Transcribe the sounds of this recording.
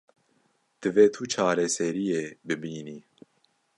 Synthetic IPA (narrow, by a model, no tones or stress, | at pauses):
d̪̥ɨveːt̪ʰut͡ʃʰaːɾɛsɛɾijeːbɨbiːni